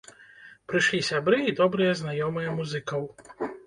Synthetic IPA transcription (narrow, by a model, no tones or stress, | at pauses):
pɾɨʃlʲisʲabɾɨid̪ɔbɾɨjɛznajɔmɨjɛmuzɨkɐw